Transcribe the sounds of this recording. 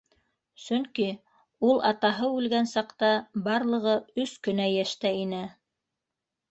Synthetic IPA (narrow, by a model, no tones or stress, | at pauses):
sɵŋki | ulˠʔɑt̪ɑɦɤʉlɡænsɑqt̪ɑbɑɾlˠɤ̆ʁɤɵskɵ̆næjæʃt̪æinɘ